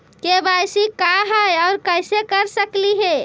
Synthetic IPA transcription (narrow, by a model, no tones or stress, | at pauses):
kebajsikaɦəjɔʊɾkəjsekəɾsəkliɦe